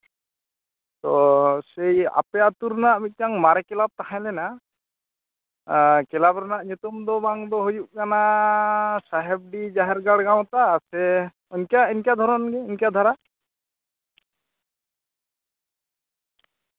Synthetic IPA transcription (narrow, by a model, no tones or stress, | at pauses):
t̪ɔseja̰pɛjat̪uɾnaʔbit̪̚ˀkaŋmaɾɛkɛlab̚t̪aɦãjlɛna | kɛlabɾɔnaʔɲut̪ɔmd̪ɔbaŋd̪ɔɦojuʔ̚kana | saɦɛb̚ɖid͡ʒaɦɛɾɡaɽɡaw̃t̪asɛ | ɔnkaɛnkad̪ʱɔɾɔnɡɛːnkad̪ʱɔɾa